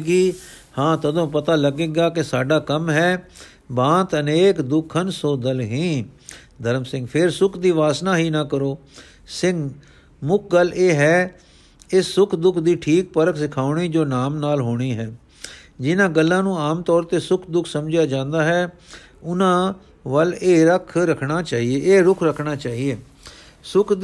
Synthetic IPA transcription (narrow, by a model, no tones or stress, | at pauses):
ɡiːhãːt̪əd̪õːpət̪aːləɡeːɡaːkɪsaːɖaːkəmɦɛː | bãːt̪əneːkd̪ʊkʰənsoːd̪əlɦĩː | d̪əɾəmsɪ̃ŋɡpʰɪɾsʊkʰd̪iːʋaːsnaːɦiːnaːkəɾoː | sɪ̃ŋɡ | mʊkʰɡəleːɦɛː | ɪsːʊkʰd̪ʊkʰd̪iːʈʰiːk̚pəɾəkʰsɪkʰaːʊɳ̃iːd͡ʒoːnaːmnaːlɦoːɽ̃iːɦɛː | d͡ʒɪnãːɡəlːãːnũːaːmt̪ɔːɾt̪eːsʊkʰd̪ʊkʰsəmd͡ʒjaːd͡ʒãːnd̪aːɦɛː | ʊnãː | ʋəleːɾəkʰɾəkʰɽaːt͡ʃaːɦieːʔeːɾʊkʰɾəkʰɳaːt͡ʃaːɦieː | sʊk̪ʰ